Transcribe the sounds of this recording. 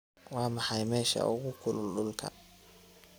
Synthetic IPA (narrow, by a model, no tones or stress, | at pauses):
wɑːmɑħɑjmɛːʃɐ̰ʔʊɣʊkʰʊlʊlɖʊlkʰɐ̰